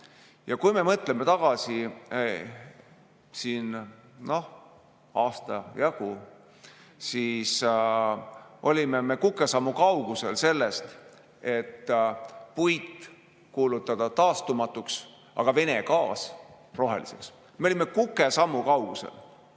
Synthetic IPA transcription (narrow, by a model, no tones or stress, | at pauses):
jɑkujme̞mɤt̪ˑle̞met̪ɑɡ̥ɑsi | siːnno̞h | ɑːst̪ɑjɑɡ̥u | siːs | ʔo̞lʲime̞me̞kukːˑe̞sɑmːukɑwɡ̥use̞lse̞lːe̞st̪ | e̞t̪ː | pujt̪ː | kuːlut̪ːˑɑd̪̥ɑt̪ɑːst̪umɑt̪ːˑuks | ɑ̰ɡ̥ɑve̞ne̞kɑːs | ro̞ɦe̞̰lḭsḛks | meolʲimːekukːˑe̞sɑmːukɑwɡ̥use̞̰l